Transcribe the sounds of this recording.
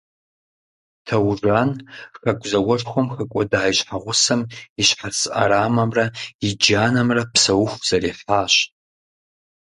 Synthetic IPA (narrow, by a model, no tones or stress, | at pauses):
tʰɐwʐʷanxaɡʷʰʼzɐwʷɔrxʷomxɐkʷʼɔdaːjɕħaʁʷʊsɐmiɕħarsʔa̰ɾaːmɐmrɐid͡ʒaːnɐmrɐpʰsɐwʊxʷz̥ɐriħaːɕ